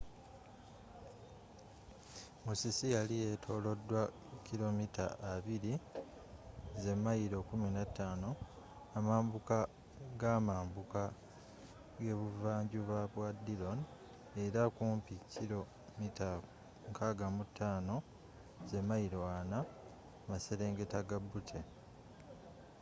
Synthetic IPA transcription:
musisijalijetʰo̞ːlo̞dːwa | cilo̞mita̰ʔːβiɾi | ze̞mːajiɾo̞kuminatːaːno̞ | amaːmbuka | ɡaːmaːmbuka | ɡe̞βuvaːɲɟuβaβwadilo̞n | e̞ɾakuːmpicilo̞ | mita | ŋkʰaːɡamutʰːaːno̞ | ze̞mːajiɾo̞ana | mase̞ɾe̞ːŋɡe̞taɡabutʰe

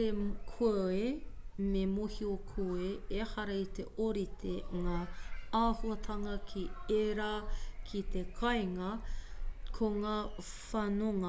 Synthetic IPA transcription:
ekʰoɐememohiokʰueehɐɾɐit̪eʔoɾit̪ʰeŋaːaːhuɐt̪ʰɐŋɐkʰieɾakʰit̪ekʰɐjŋɐ | kʰoŋaː | fɐnoŋɐ

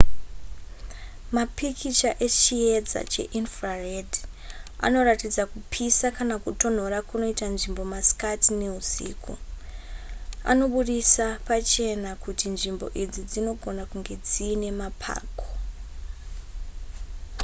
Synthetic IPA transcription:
mapʰikʰit͡ʃaʔe̞t͡ʃijed͡za̰t͡ʃe̞̰ʔinfrared | a̰no̞ratid͡zakupʰisakanakuto̞n̤o̞ɾakuno̞itanʐimbo̞maskatine̞usḭːkṵ | a̰no̞ɓuɗisapat͡ʃe̞nakutinʐimbo̞̰ʔid͡zid͡zino̞ɡʱo̞nakuŋɡe̞d͡ziːne̞mapʰa̰ːko

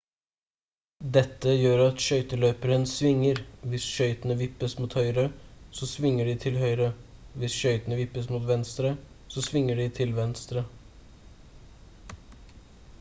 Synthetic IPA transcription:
d̪ɛt̪ːəjøːɾɑt̪ʃœʏt̪əløːpəɾənsʋɪŋːəɾʋɪsʃœʏt̪ənəʋɪpːəsmuːt̪hœʏɾəsɔsʋɪŋːəɖiːt̪ʰɪlhœʏɾəʋɪsʃœʏt̪ənəʋɪpːəsmuːt̪ʋɛnst̪ɾə | sɔsʋɪŋːəɖɪːt̪ʰɪlʋɛnst̪ɾə

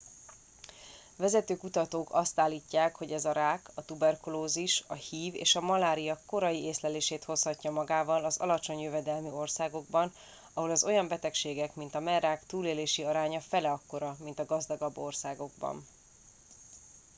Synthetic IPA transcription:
vɛzɛt̪øːkut̪ɒt̪oːkɒst̪aːlːiːcːaːkho̞ɟɛzɒɾaːkɒt̪ubɛrkuloːziʃɒhiːvḛːʃɒmɒlaːɾijɒkːo̞ɾɒjieːslɛleːʃeːt̪ho̞shɒcːɒmɒɡaːvɒlɒzɒ̰lɒt͡ʃo̞ɲjøvɛd̪ɛlmio̞rsaːɡo̞ɡbɒn | ɒɦo̞lɒzo̞jɒmbɛt̪ɛkʃeːɡɛkmint̪ɒmɛnraːkt̪uːleːleːʃiɒɾaːɲɒfɛlɛɒkːo̞ɾɒmint̪ɒɡɒzd̪ɒɡɒbːo̞rsaːɡo̞ɡ̚bɒ̰n

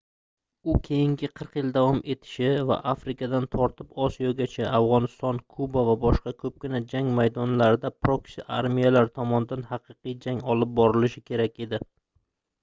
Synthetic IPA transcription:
ʊkʲʰe̞jɪŋɡʲɪqʰɨɾqjɪld̪avɒmʔe̞t̪ʰɪ̥ʃɪva̰ʔafɾɪkʰʲad̪ant̪ʰɒɾt̪ʰɪpɒsijɒɡʲat͡ʃʰaavʁɒnɪst̪ɒnkʰubavabɒʃqɑkʰɵp̚kʲɪnad͡ʒaŋmajd̪ɒnlaɾɪd̪apʰɾoksɪʔa̰ɾmijalaɾt̪ʰɒmɒnɪd̪anhɑqʰɨqɨjd͡ʒaŋɒlˠɪp̚bɒɾɪlɪʃɪkʲʰe̞ɾakʲe̞d̪ɪ

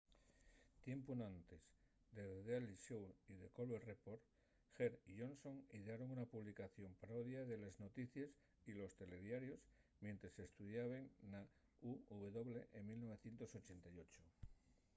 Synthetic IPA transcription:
t̪je̞mpunãnt̪ez | d̪eððeliʃowiðekolwerepoɾ | xeɾiʝo̞nso̞ŋiðeaɾo̞ŋunapuβlikaθjo̞mpaɾoðjaðe̞lezno̞t̪iθjes | ilo̞st̪e̞le̞ðjaɾjosmjẽ̞nt̪ɾesest̪uðjaβeŋna | uuβe̞ðo̞βleʔeŋmilno̞β̞e̞θje̞nt̪o̞so̞t͡ʃe̞nt̪ajo̞t͡ʃo

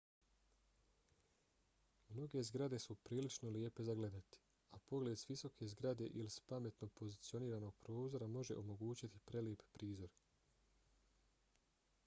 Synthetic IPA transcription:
mno̞ɡe̞zɡɾad̪e̞supɾiːlit͡ʃnoljepe̞zaɡle̞d̪at̪i̥ | apo̞ɡle̞d̪sʋiso̞kʰe̞zɡɾad̪e̞ʔilispame̞t̪no̞po̞zit̪sio̞niːɾaːno̞ɡ̚pɾo̞ːzo̞ɾamo̞ʒe̞̰ʔo̞mo̞ɡuːt͡ɕit̪i̥pɾe̞lje̞ppɾiːzo̞ɾ

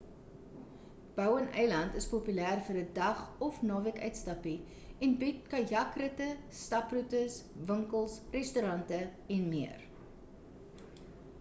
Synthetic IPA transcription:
b̥œwənɛjlɐntəspopylæːrfərədɐχɔfnɑːvəkœɥtstɐpi | ɛnbit̚kɐjɐkrətə | stɐprutəsvəŋkəlˠsrɛstuɾɐntəɛnmiər

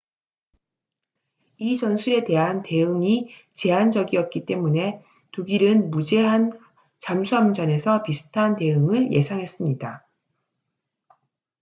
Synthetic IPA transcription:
it͡ɕʌnsʰuɾe̞te̞ɦante̞ɯŋit͡ɕe̞and͡ʑʌɡiʌp̚k͈it͈e̞mune̞ | tuɡiɾɯnmud͡ʑe̞ɦan | t͡ɕamsʰuamd͡ʑʌne̞sʰʌpisʰɯ̥tʰante̞ɯŋɯɭjʔe̞sʰaŋɦe̞s͈ɯmɲida

